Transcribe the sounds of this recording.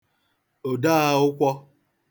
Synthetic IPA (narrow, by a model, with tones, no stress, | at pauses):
o˨da˦a˦ʊ˦kʷɔ˦